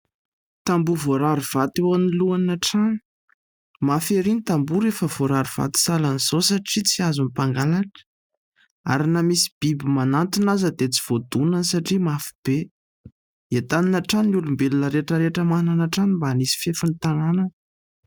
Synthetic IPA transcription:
t̪ambuvoɾaɾuv̥at̪ewaniluanaʈ͡ʂani̥ | mafeɾinit̪ambuɾefəv̥oɾaɾuv̥a̰t̪i̥salaniz̥osaʈ͡ʂit͡siazunipaŋɡalaʈ͡ʂə̥ | a̰ɾinamisi̥b̥ibimanant̪inazəd̪et͡si̥v̥od̪unənsaʈ͡ʂimafi̥b̥e | et̪aninaʈ͡ʂanulumbelunəɾeʈ͡ʂəɾeʈ͡ʂəmananaʈ͡ʂanimbanisi̥fefanit̪ananənə

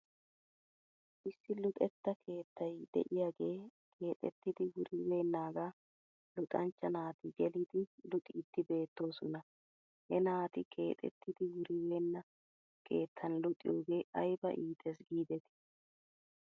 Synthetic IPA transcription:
ʔɪsːɪlʊt̪ʼɛt̪ːɐkʰe̞ːt̪ːɐjd̪ɛ̰ʔɪjaːɡe̞ː | kʰe̞ːt̪ʼɛ̰t̪ːɪd̪ɪwʊɾɪweːnːaːɡaː | lʊt̪ʼɐnt͡ʃːɐnaːt̪ɪɡɛlid̪ɪlʊt̪ʼiːt̪ːɪbe̞ːt̪ːo̞ːsɔnɐ | hɛnaːt̪ɪkʰe̞ːt̪ʼɛ̰t̪ːɪd̪ɪwʊɾɪweːnːɐ | kʰe̞ːt̪ʰːɐnlʊt̪ʼːɪ̰jo̞ːɡe̞ːʔɐjbɐ̰ʔiːt̪ʰʼɛsɡiːd̪ɛt̪ɪ̥

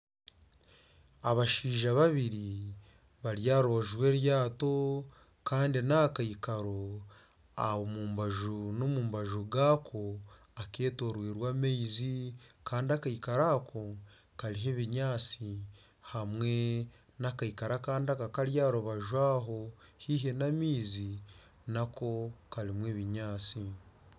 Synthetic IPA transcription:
aβaʃiːʒaβaβiɾi | βaɾjaːɾuβaʒwe̞ːɾjaːto̞ | kaːndinakaikaɾo | a̰βomuːmbaʒunomuːmbaʒuɡaːkʰo | ake̞ːtoːɾwiːɾwaːmeizikaːndiakaikaɾaːkʰo | kaɾiɦeβiɲaːt͡si | hamwe̞ | nakaikaɾakaːndiakakaɾjaːɾuβaʒwaːɦohiːɦe̞namiːzi | nako̞kaɾimweːβiɲaːt͡si

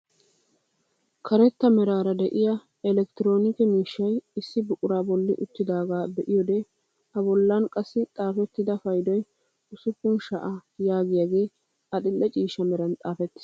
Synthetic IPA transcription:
kʰɐɾɛt̪ːɐmɛɾaːɾɐd̪ɛʔɪja | ɛlɛk̚t̪ɪɾo̞ːnɪkɛmiːʃːɐjɪsːɪbʊkʼʊɾaːbɔlːɪʔʊt̪ːɪd̪aːɡaːbɛʔɪjɔd̪ɛ | ɐbɔlːɐnkʼɐsːɪt̪ʼaːfɛt̪ːɪd̪ɐfɐjd̪ɔj | ʊsʊkːʊnʃɐʔajaːɡɪjaɡeː | ɐɗ̪ɪlːɛt͡ʃʼiːʃɐmɛɾɐnt̪ʼaːfɛt̪ːɪ̥

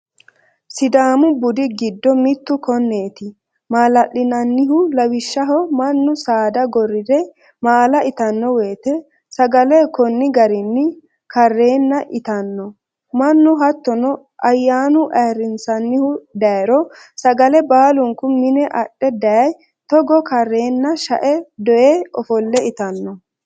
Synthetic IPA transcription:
sɪd̪aːmʊbʊd̪ɪɡɪd̪ːɔmɪt̪ːʊkɔnːe̞ːt̪ɪ | maːlɐʔːɪnɐnːɪɦʊlɐwɪʃːɐɦɔmɐnːʊsaːd̪ɐɡɔrːɪd̪ɛ | maːlɐʔɪt̪ɐnːɔwe̞ːt̪ɛ | sɐɡɐlɛkɔnːɪɡɐɾɪnːɪ | kɐrːe̞ːnːɐʔɪt̪ɐnːɔ | mɐnːʊɦɐt̪ːɔnɔ | ʔɐjːaːnʊʔɐjɾɪnsɐnːɪhʊd̪ɐjɛɾɔ | sɐɡɐlɛbaːlʊŋkʊmɪnɛʔɐɗːɛd̪ɐjɐj | t̪ɔɡɔkɐrːeːnːɐʃɐ̰ʔɛd̪ɔʔeɔfɔlːɛɪt̪ɐnːɔ

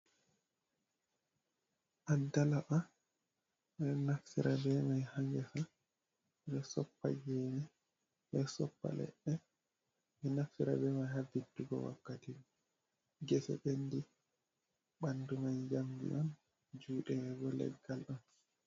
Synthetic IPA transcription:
ʔadalaʔa | bɛnaksḭɾʔabɛmajhaŋɡɛsa | bɛsɔpːa̰d͡ʒɛːnɛ | bɛsɔpːa̰lɛ̰ɗːɛ | mɛnaksiɾabɛmajhabːitːuɡɔ̰wa̰kːatiɡ | ɡɛsɛ̰ɓendi | ɓandumajd͡ʒamɡḭʔɔn | d͡ʒuːɗɛɡɔlɛ̰ɡːalɗɔn

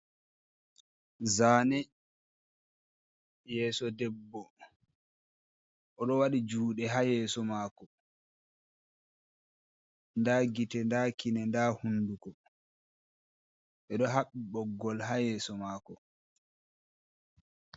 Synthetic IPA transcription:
zaːnɛ | jɛːsɔdɛbːɔ | ʔɔɗɔwaɗid͡ʒuːɗɛɦajɛːsɔmaːkɔ | ndaɡitɛndaːkinɛndahundukɔ | ɛɗɔɦaɓːiɓɔɡːɔlɦajɛːsɔmaːkɔ

